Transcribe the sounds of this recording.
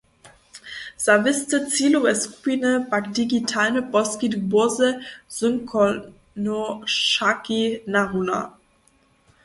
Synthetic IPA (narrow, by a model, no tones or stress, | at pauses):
z̥avɪstət͡siːloɛskuinəbakdiɡitʰaːnəbɔskidbʊɐzəz̥ʏŋkɔ | noʃakinaʁuna̰